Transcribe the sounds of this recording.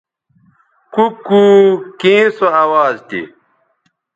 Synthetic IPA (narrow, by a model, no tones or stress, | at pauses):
kukːuːkĩːsoawaːzt̪ḭ